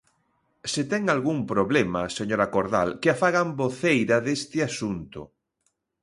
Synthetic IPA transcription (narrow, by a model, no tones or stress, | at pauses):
set̪ɛŋalɣuŋpɾoβlema̰seɲoɾakoɾða̰lkɪafaɣamboθejɾaðest̪ɪasunt̪ʊ̰